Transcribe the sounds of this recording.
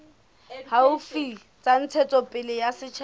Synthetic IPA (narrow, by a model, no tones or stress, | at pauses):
haʊfi | t͡sʼan̩t͡sʰɛt͡sʼɔpʼɪlɪjasɪt͡ʃʰ